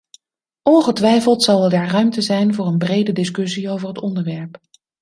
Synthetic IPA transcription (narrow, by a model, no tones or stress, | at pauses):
ʔɔnχətʋɛjfəlˠtsɑlˠədɛɹrœɥmtəzɛjnvʊːɹənbrejdədɪskɵsiowvəɹɦətɔndəɹʋɛɹp